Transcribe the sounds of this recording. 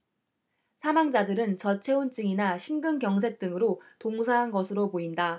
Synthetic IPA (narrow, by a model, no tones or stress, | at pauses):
sʰamaŋd͡ʑadɯɾɯnt͡ɕʌt͡ɕʰe̞unt͡ɕ͈ɯŋinaɕʰinɡɯnɡjʌŋsʰe̞k̚t͈ɯŋɯɾotoŋsʰaɦanɡʌsʰɯɾopoinda